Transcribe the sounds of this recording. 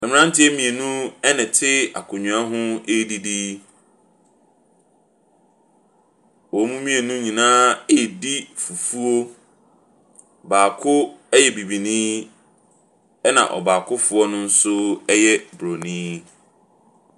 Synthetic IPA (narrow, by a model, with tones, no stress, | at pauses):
ɛ˨mɪ̃˨ã˦n˦tɪ˦ɛ˦mĩ˨e˨nũ˦ɛ˦nɪ̃˨tʰɪ˦a̰˨kʰʊ̃˨ɲᶣũ˨a˦ɦʊ̃˦e˦di˦di˦ | wɔ˨˦mũ˦mĩ˦e˨nũ˦ɲĩ˨nãː˦e˦˨di˦fu˨fu˦o˦ | baː˨kʰʊ˦ɛ˦jɛ˨bi˨bi˨nĩː˦ | ɛ˦nã̰˨ʔɔ̰˨baː˨kʰʊ˦fʊ˨ɔ˦nʊ̃˦n̩˦sʊ˦ɛ˦jɛ˦bɾo˨nĩː˦